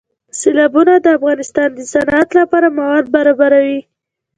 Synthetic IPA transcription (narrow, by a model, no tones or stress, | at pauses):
selɑbunad̪əafɣɑnɪst̪ɑnd̪əsanat̪lapɑɾamawɑd̪̚baɾɑbaɾawi